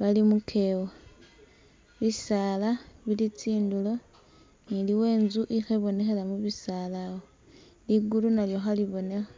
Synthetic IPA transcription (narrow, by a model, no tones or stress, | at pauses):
βalimukʰe̞wo | βisaːlaβilit͡siːndulo̞ | niliwe̞ːnzuʔixeβo̞ne̞xelamuβisaːlawo | liɡulunaljo̞xaliβo̞ne̞xa